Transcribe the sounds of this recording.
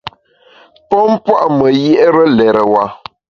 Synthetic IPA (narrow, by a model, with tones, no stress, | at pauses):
pɔ˦m̩˦pwa˦ʔmə˨jɛ˦ʔɾə˦lɛ˨ɾə˨wa˨